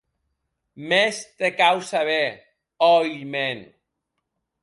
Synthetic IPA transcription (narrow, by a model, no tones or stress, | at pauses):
mest̪ekawsaβe | ɔjlmen